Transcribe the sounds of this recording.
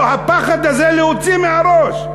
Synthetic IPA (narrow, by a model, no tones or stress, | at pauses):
hapaχad̪azeleot͡simehaɾoʃ